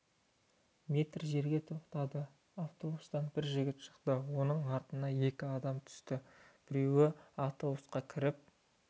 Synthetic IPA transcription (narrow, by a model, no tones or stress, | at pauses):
mʲe̞t̪rʒe̞ɾɡʲe̞t̪ʰoqt̪ɑd̪ə | aft̪o̞bust̪ɑnbɪɾʒɪɡʲɪt̪ʃə̥qt̪əwo̞nəɴɑɾt̪ənɑje̞kʲɪɑd̪ɑmt̪ʰʏ̥st̪ɪb̥ɪɾe̞wɪaft̪o̞busqɑkʲʰɪɾɪp̚